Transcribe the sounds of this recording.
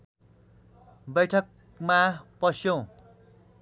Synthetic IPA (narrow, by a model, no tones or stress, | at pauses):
bʌjʈʰʌk̚ | mapʌsjõw̃